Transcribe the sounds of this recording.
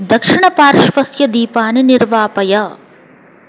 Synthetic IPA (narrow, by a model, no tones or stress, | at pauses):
d̪ɐkʂɪɳɐpaːɾʃʋɐsjɐd̪iːpaːnenɪɾʋaːpɐjɐː